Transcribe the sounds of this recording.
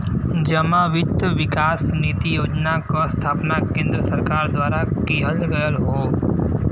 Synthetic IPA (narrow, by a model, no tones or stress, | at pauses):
d͡ʒəmaʋɪt̪ʋɪkaːsniːt̪ijoːd͡ʒnakost̪ʰaːpnakẽːnd̪ɾəsəɾkaːɾd̪waːɾakiɦəlɡəjəlɦoː